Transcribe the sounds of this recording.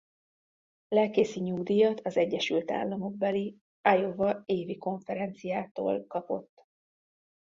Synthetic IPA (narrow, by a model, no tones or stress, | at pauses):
lɛlkeːsiɲuɡd̪ijɒt̪ʰɒzɛɟːɛʃylt̪a̰ːlːɒmo̞ɡ̚bɛli | ajovɒeːviko̞ɱfɛɾɛnt̪sijaːt̪o̰ːlkɒpo̞̰t̪ː